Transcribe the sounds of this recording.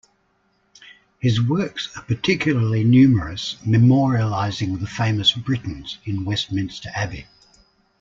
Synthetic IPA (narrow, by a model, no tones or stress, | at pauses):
hɪzwɜˑksəpətʰɪkʰjl̩ˠəlinjʉːməɹəsməmɔːɹiəlaɪzɪ̃ŋðəfẽɪ̃məsb̥ɹɪʔn̩z̥ɪ̃nwɛstmɪ̃nstəɹʔabɪ̰